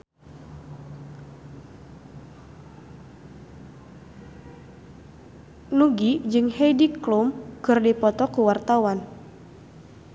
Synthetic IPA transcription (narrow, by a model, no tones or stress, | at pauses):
luɡid͡ʒɨŋhejdiklumɡ̥ɨrdipɔt̪ɔkuwart̪awan